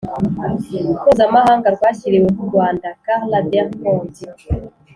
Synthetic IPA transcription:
ukozamahaːŋɡaɾɡwaːçiɾewekuɾɡwaːndakaʁladeʁkoːnzi

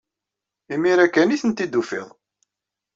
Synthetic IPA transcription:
imiɾækːæniθənt̪id̪ːufɪ̰ðˤ

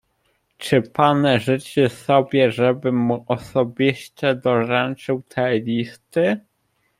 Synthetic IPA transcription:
t͡ʂɘpanɛʐɘt͡ʂɘsɔbʲjɛʐɛbɘmːuʔɔsɔbʲiɕt̪ɘd̪ɔɾɛnt͡ʂɘwt̪ʰɛlʲist̪ɘ

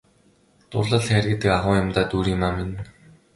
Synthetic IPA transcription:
t̪ʊ̰rɮə̆ɮxæɾʲɪ̆t̪ːɘ̆kaʁʊːjʊ̆mt̪aːt̪uːɾiːmaːmɪn

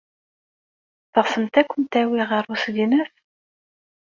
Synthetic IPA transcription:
θəʁsəmt̪ækʷːənt̪æwiʁəɾˤusɡinəθ

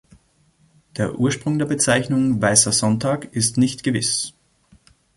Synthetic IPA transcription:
d̥eːɐʔuːɐʃpʁ̥ʊŋdeːɐbət͡saɪçnʊŋvaɪsɐzɔntʰaːkɪstnɪçtɡ̥əvɪ̰s

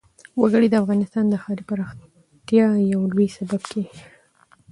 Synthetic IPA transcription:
waɡəɽid̪əafɣɑnɪst̪ɑnd̪əxɑɾipaɾɑx | t̪jɑjawlujsababkʰe

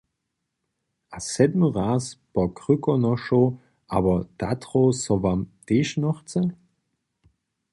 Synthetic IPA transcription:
ʔasɛdməʁaːspɔkʁykɔnɔʃo | ʔa̰ːbɐd̥atʁosɔvamteːʃnɔχt͡sə

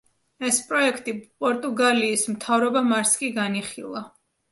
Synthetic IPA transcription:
ɛspʼɾɔɛkʰt̪ʼipʼɔɾt̪ʼuɡaliːsmt̪ʰavɾɔbamaɾskʼiɡaniχḭlˠa

